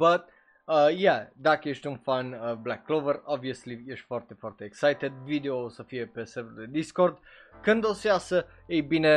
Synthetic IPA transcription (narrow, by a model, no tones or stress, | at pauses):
bət̪̚ | əjad̪akəɛʃt̪unfanəblakːlovəɾaviəsliɛʃt̪faɾt̪efaɾt̪eːksajt̪ɛd̪vid̪eosofiɛpesɛvɾled̪iskoɾd̪ | kənd̪osiasə | ejbine